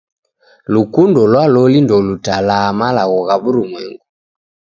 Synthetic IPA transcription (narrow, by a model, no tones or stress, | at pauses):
lukundɔlwalɔlindɔlutalamalaɣɔɣaβuɾumwɛŋɡu